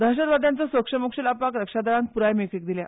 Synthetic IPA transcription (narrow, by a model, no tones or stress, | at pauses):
d̪ʱaɕ̬əd̪ʋad̪ʱjant͡səsʋəkʂəməkʂəlapakɾəkʂad̪aɭãn̚puɾajmekik̚d̪ilja̰